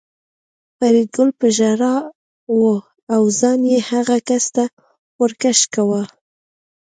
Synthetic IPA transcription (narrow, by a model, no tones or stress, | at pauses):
paɾiɡʊlpəʒaɾɑ | wo | awzɑnjehaɣakast̪a | xoɾkaʃkawa